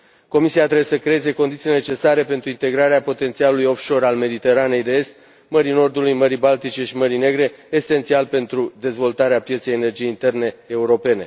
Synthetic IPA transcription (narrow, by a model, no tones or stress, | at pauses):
ko̞misiat̪ɾebjesəkɾe̞eze̞ko̞nd̪it̪silene̞t͡ʃe̞saɾe̞pe̞nt̪ɾuint̪e̞ɡɾaɾeapo̞t̪e̞nt̪sialulujo̞fʃo̞ɾalme̞d̪it̪e̞ɾane̞jd̪e̞e̞st̪ | məɾino̞rd̪ulujməɾibalt̪it͡ʃe̞ʃiməɾine̞ɡɾe̞ːse̞nt̪sialpe̞nt̪ɾud̪e̞zvo̞lt̪aɾeapjet̪sejenerd͡ʒijeint̪e̞rne̞ːuɾo̞pe̞ne̞